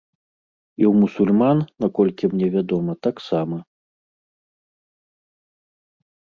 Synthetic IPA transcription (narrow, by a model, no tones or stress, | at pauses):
iwmusulʲmanːakɔlʲkʲimnʲɛvʲad̪ɔmɐt̪aksamɐ